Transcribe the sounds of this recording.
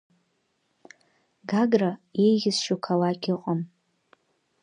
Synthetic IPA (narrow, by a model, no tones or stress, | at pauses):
ɡaɡrajejɣʲɪsʃukʰalakʰʲɪqʼəm